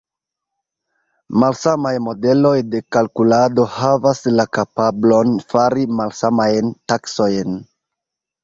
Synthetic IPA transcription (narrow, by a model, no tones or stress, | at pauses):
malsamajmo̞de̞lo̞jde̞kalkulado̞havaslakapablo̞nfaɾimalsamajntakso̞jn